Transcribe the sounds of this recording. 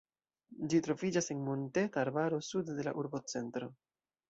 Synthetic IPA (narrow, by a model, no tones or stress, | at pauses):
d͡ʒitɾo̞vid͡ʒase̞nmonte̞taːɾbaɾo̞sudde̞la̰ʔuɾbo̞t͡se̞ntɾo̞